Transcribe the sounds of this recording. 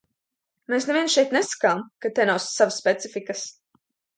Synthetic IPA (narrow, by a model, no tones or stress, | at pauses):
meːsnɛvʲiɛnsʃɛjt̪nɛsḁkaːmkat̪ɛnawsːavasːpʲɛt̪sifikɐs